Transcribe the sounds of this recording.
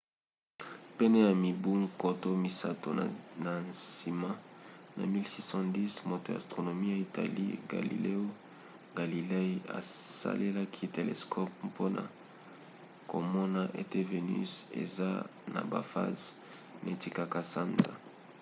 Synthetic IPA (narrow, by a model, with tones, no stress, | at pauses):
pe˦ne˦ja˨mi˨bu˦ŋko˨to˦mi˨sa˦to̰˨na˨nsi˨ma˦na̰˨mi˦lsi˦sɔ̃˦di˦smo˨te˨a̰˨stʁo˨no˨mi˦ja˨i˨ta̰˨lḭ˦ɡa̰˨lḭ˨le˦o˦ | ɡa˨li˨le˦i˦a̰˨sa̰˦lʔe˦la˦kʰi˦te˨lḛ˨skʰɔ˦p̚po˦na̰˨ | ko˨mɔ˦na˦ʔe˦te˦ve˨ny̰˦sḛ˨za˦na̰˨ba̰˨fa̰˦z | nʔa˨e˨ti˨ka˨ka˨sa˦nza̰˨